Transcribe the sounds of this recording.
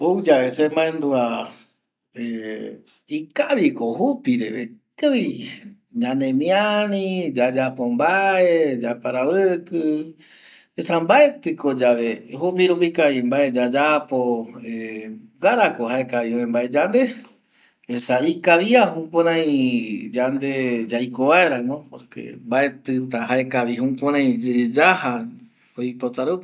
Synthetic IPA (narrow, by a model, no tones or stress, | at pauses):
owd͡ʒaesemaẽnd̪ua | e | ikaβikoɦupiɾḛβek̪eβi | ɲãnẽmĩanĩd͡ʒad͡ʒapombaed͡ʒapaɾaβɨkɨ | esambae̞t̪ɨkod͡ʒaβe̞ɦup̬iɾupikaimbaʔed͡ʒad͡ʒapoeɡaɾakoɦaekaβioẽmbaed͡ʒand̪e | esaikaβiaɦũpõɾãj̃d͡ʒand̪e̞d͡ʒajkoβaeɾãmopoɾkḛmbae̞t̪ɨt̪aɦaekaβiɦũpõɾ̃ãj̃d͡ʒed͡ʒaha | ojpot̪aɾɨ